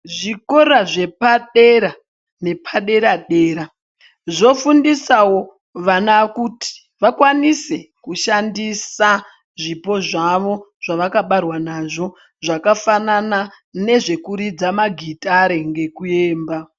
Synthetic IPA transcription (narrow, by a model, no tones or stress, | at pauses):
ʐiko̞ɾaʐe̞paɗe̞ɾa | ne̞pʰaɗe̞ɾaɗe̞ːɾa | ʐo̞fundisawo̞ | ʋanakuti̥ | ʋakwanise̞kuʃandisa | ʐipo̞ʐaʋo̞ʐ̥aʋakaɓarwanaʐo̞ | ʐakafanana | ne̞ʐe̞kuɾid͡zamaɡʱitaɾe̞ŋɡe̞kue̞ːmba